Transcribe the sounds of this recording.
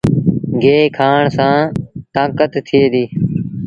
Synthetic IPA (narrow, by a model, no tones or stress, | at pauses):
ɡʱeːkʰaːɳsãːt̪ãːkət̪tʰːɪeːd̪iː